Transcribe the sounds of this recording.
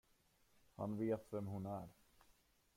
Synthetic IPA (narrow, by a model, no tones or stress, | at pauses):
ha̰nveːt̪vɛmɦʊnæɾ